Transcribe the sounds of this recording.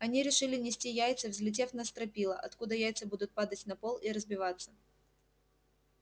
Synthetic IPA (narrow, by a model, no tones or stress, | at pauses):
ɐnʲiɾʲɪʂɨlʲɪnʲɪsʲtʲijæjt̪sɨvzʲlʲɪt̬ʲe̞fnɐst̪ɾɐpʲilˠəʔɐt̪kud̪əjæjt̪sɨbud̪ʊt̪̚pad̪ətʲnɐpolˠiɾəzbʲɪvat̪sːə̥